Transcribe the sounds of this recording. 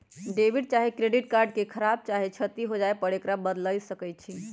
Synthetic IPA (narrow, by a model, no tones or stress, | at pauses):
ɖebiɖ̚t͡ʃaɦikɾeɖiʈkaɾɖ̚kekʰəɾab̚t͡ʃaɦit͡ʃʰət̪iɦod͡ʒaepəɽekɾabəd̪ləjsəkəj̚t͡ʃʰi